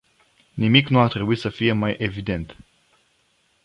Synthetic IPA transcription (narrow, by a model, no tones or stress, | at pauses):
nimiknuat̪ɾe̞buit̪səfije̞majʔe̞vid̪e̞nt̪